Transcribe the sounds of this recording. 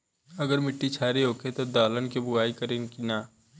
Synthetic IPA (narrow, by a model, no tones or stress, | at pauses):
ɐɡəɾmɪʈːit͡ʃʰaːɾiɦoːkʰet̪od̪aːlənkibʊɡaːikəɾenkinaː